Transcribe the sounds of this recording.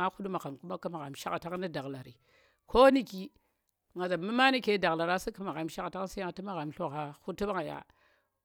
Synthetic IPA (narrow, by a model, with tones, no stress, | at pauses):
a˦xu˦ɗu˦ma˨ɣa˨mku˦ma˦ka˦ma˨ɣa˨mʃa˦ka˨ta˦ŋ˦ni˦da˨ɣla˨ɾi˨ | kʰo˦ni˦ki˦ | ŋa˨za˨mi˦ma˦ni˦ke˨˦da˨ɣla˨ɾa˦si˦ki˦ma˨ɣa˨mʃa˦kta˦ŋ˦si˦ja˦˨ti˦ma˦ɣa˨mɬo˦ɣa˨xu˦ti˦ba˦ŋa˨ja̰˨